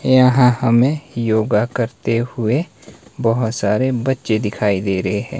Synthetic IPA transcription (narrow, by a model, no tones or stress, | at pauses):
jəɦãhɐmẽjoːɡakɐɾt̪ehʊe | bɐɦʊt̪saːɾebɐtːʃed̪ɪkʰaːid̪eːɾəɦeɦɛ̰̃ː